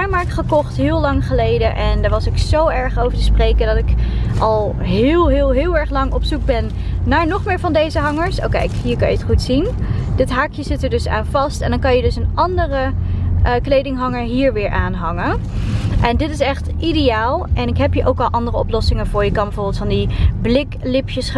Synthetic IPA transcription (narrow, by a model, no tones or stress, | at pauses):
amaːɹkχəkɔχtɦɪːlˠlɑŋχəlejdənʔɛndəɹʋɑsɪksowɛɹχowvəɹtəsprejkəndɑtɪkʔɑlˠ | ɦɪːlˠɦɪːlˠɦɪːlˠɛɹχlɑŋɔpsuɡ̚bɛnː | aːɹnɔχmɪːɹvɑndejzəɦɑŋəɹso̰wkɛ̰jkɦiːəɹkɑjəətχutsindɪtɦaːkjəz̥ɪtəɹdɵsa̰ːnvɑstɛndɑnkɑjədɵsənʔɑndərə | klejdɪŋɦɑŋəɹɦiːɹʋɪːɹʔaːnɦɑŋə | ʔɛndɪtɪsɛχtʔidejaːlˠʔɛnɪkɦɛpɦiːɹʔowkɑlˠʔɑndərəɔplɔsɪŋənv̥ʊːɹjəkɑnbəvʊːɹbɪlˠtfɑndiblɪklɪpjəs